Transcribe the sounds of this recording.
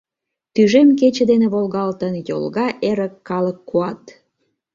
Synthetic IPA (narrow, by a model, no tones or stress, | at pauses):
t̪yʒemk̬et͡ɕed̪eneβolɣɑlt̪ənjo̰lɣɑʔeɾəkːɑləkːuɑt̪